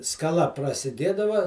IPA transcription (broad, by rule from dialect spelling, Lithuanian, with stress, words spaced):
skɐˈlˠɐ prɐsʲɪˈdʲeːdɐʋɐ